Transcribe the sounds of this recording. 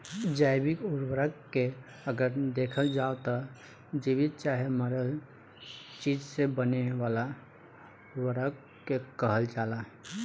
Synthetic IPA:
d͡ʒaːɪbɪkʊɾwəɾəkke | əɡəɾd̪eːkʰəld͡ʒaot̪ɔ | d͡ʒiʋɪt̪̚t͡ʃaːɦeməɾəl | t͡ʃiːd͡ʒsebəneʋala | ʊɾwəɾək | kekəɦəld͡ʒaːlaɦ

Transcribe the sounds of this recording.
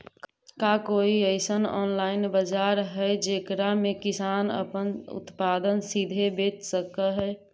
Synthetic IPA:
kakoːiəɪsənɔ̰ːnlaːɪnbəd͡ʒaɾɦɛd͡ʒekɾamẽkɪsaːnə̰pənʊ̰t̪paːd̪ənsid̪ʱebeːt̪səkəɦɛ

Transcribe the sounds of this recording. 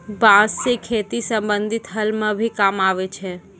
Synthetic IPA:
bãːsːekʰeːt̪isə̃mbə̃nd̪ʱɪt̪ɦəlmẽbʱikaːmaːʋet͡ʃʰɛː

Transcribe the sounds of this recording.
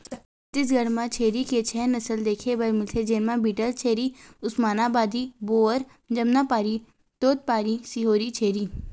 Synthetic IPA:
t̪ɪs̬ɡɐɽmãt͡ʃʰeːɾiket͡ʃʰɛɦnɐsəld̪eːkʰebɐɾmɪlt̪ʰed͡ʒeːnmãbiːʈəlt͡ʃʰeːɾiʊsmaːnabaːd̪iboːəɾ | d͡ʒɐmnapaːɾi | t̪oːt̪̚paːɾisiɦoːɾit͡ʃʰeːɾiː

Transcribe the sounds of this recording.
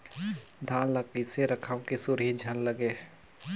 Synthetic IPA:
d̪ʱãːnləkiseɾəkʰãkesʊɾɦid͡ʒʱənləɡeː

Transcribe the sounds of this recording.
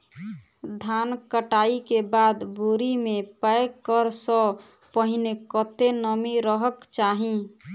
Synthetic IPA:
d̪ʱankəʈaikebad̪boɾimepəekːəɾsə | pəɦinekət̪enəmiɾəɦəkt͡ʃaɦĩ

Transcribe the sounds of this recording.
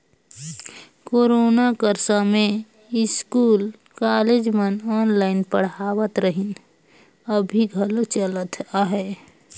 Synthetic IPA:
koːɾoːnakəɾsamẽ | ɪskuːl | kaled͡ʒmənɔːnlaːɪnpəɽ̤awət̪ɾəɦin | əbʱiɡʱəlot͡ʃələt̪ʰaːɦɛː

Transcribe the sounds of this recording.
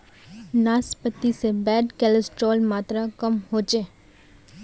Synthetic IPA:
naːspət̪ːisebɛːɖkɛːləsʈɾoːlmaːt̪ɾakəmɦoːt͡ʃeː

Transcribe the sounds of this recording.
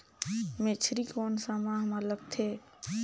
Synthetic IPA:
met͡ʃʰɾikoːnsamãɦmaləɡt̪ʰeː

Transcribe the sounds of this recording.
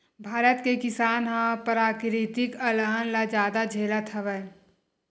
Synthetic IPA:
bʱaːɾət̪kekɪsaːnɦãpɾaːkɾit̪ɪkəlaːənlad͡ʒaːd̪ad͡ʒʱeːlat̪ʰɐʋɛ

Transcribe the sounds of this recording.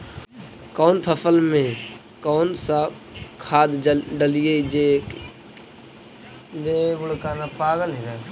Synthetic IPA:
kɔːnp̪ʰəpʰəlmẽ | kɔːnsa | kʰaːd̪ɖəlɪjed͡ʒe | d̪eːʋʊɽkaːnapaːɡəlɦɪɾa

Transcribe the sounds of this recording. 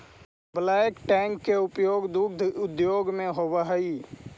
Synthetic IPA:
blakʈɛŋkːeʊpjoːɡd̪uɡd̪ʱʊd̪joːɡmẽɦobəɦəi

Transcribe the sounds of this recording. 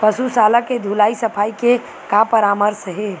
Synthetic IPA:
pəsusalaked̪ʱulaisəpʰaike | kapəɾaməɾsɦe

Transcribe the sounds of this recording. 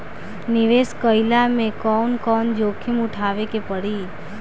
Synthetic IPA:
nɪiʋeskəjlamẽkɔnkɔnd͡ʒokʰimuʈʰaʋekepəɽi

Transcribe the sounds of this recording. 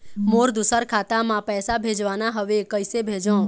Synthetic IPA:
moɾd̪usəɾkʰat̪amãpɛːsabʱed͡ʒʋanaɦəʋekəjsebʱed͡ʒõ

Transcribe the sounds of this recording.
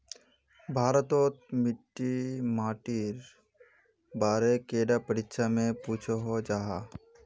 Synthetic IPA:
bʱaːɾət̪oːt̪̚mɪʈːimaːʈiːɾ | baːɾekeːɖapəɽɪkʃamẽpuːt͡ʃʰoɦod͡ʒaːɦa

